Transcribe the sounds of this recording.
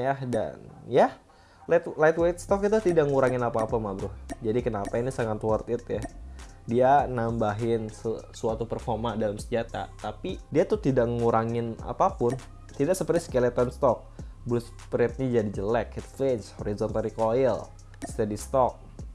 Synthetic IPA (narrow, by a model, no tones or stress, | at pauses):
jahda̰nja | lat̪lat̪wet̪̚st̪ɔk̚kit̪at̪idaʔŋəŋuɾaŋɪnapaːpamabɾʊhd͡ʒadikənapainisaŋat̪wɔrt̪ɪt̪ja | dianambaɦɪnsəsuat̪upərfɔrmadalamsəd͡ʒat̪a̰t̪apidiat̪ʊt̪idaʔŋəŋuɾaŋɪna̰papʊn | t̪idaʔsəpərt̪iskɛlɛt̪anst̪ɔk̚blʊs | pɾɪt̪̚ɲad͡ʒadid͡ʒəlɛkhit̪̚fleɲshoɾizɔnt̪alikoɛl | st̪ɛdist̪ɔk̚